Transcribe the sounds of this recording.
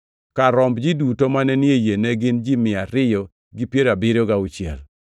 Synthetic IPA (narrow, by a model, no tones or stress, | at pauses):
kaɾɔmbd͡ʒidutomanɛnɪejenɛɡɪnd͡ʒimɪaɾɪjɔ | ɡipjeɾabɪɾoɡaut͡ʃjɛl